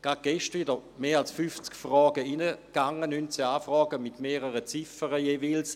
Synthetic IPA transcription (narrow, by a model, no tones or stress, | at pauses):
ɡ̥ʁat̚ɡ̥ɛʃtʋidəmeːalsfyft͡skfʁɔːɡəinəɡ̥aŋənyntsəaːfʁɔːɡəmɪtmeːʁəʁət͡sifəʁəjeːviːls